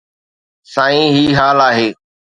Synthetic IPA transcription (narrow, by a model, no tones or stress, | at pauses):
sãːĩːɦiːɦaːlaːɦeː